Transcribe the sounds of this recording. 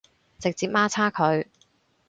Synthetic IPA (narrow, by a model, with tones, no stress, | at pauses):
t͡sɪ˨k̚t͡siː˨p̚maː˥t͡sʰaː˥kʰɵ˨˧ɥ